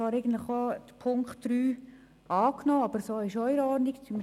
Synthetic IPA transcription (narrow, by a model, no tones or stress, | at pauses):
ɑːɾɛɪɡən̩t̪ləχod̥̪əpʰʊŋkχtd̥ɾyː | ɑːknoːɑb̥əɾsoːɪʃɔʏɾɔɾnikt͡sym